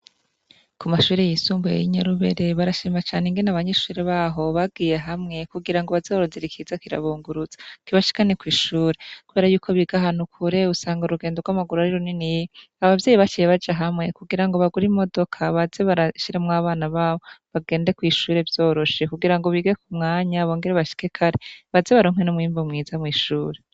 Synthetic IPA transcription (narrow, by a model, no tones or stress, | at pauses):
kumaʃuːɾe̞jisuːmbujḛjiɲaɾuβe̞̰ɾe̞βaɾaʃiːmat͡ʃaːneŋɡe̞naβaɲeʃuːɾeβaːɦo̞βab̚ɡiːje̞ɦamŋe̞kuɡiɾaŋɡoβazeoɾoziɾikiːzakiɾa̰βuːŋɡuɾuz̥ḁkiβaʃi̥kanekwiːʃuːɾe̞kuβe̞ːɾajuːkʰo̞βiːɡaɦaːn̥ukʰuɾe̞usaːŋɡauɾuɡeːndoɡwamaɡuɾuaɾiɾoninij | aβavjeːjiβat͡ʃiːjeβad͡ʒaɦamŋe̞kuɡiɾaŋɡo̞βaɡuɾimo̞do̞kʰaβazeβaɾaʃiɾemwaːβaːnaβaːβo̞βaɡe̞ːnde̞kwiːʃuːɾe̞vjo̞ːɾo̞ʃe̞kuɡiɾaŋɡo̞βiɡekumŋaːɲaβo̞ːŋɡeɾeβaʃi̥ke̞kʰaɾeβazeβaɾoŋ̥wenomwiːmbomŋiːzamŋiːʃuːɾe̞